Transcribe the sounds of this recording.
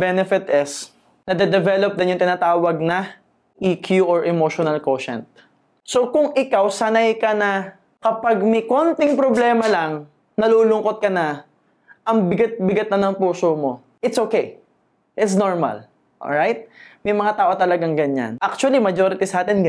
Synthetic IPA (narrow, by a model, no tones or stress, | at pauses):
bɛnɛfɪt̪ʔɪs | nɐd̪ɐd̪ɛvɛlop̚d̪ɪnjʊŋt̪ɪnaːt̪aːwɐɡ̚nɐ | ʔiːkʰjuʔɔɹʔɛmoʃonɐlkoːʃɛ̰nt̪̚ | sokʊŋɪkawsɐnɐjkɐnɐ | kɐpaɡ̚mɐjkont̪ɪŋpɾoblɛːmɐlɐŋ | nɐluːlʊŋko̞t̪̚kɐnɐ | ʔɐŋbɪɡat̪̚bɪɡɐt̪̚nɐnɐŋpuːsomo̞ | ʔɪt̪sʔoːkɛj | ʔɪt̪s̬noɹmɐ̰l | ʔo̰ɹajt̪̚mɐjmɐŋat̪aːʔo̞t̪ɐlɐɡaŋɡɐɲa̰nʔak̚t͡ʃʊɐlimɐd͡ʒoɾɪt̪isɐaːt̪ɛnɡɐ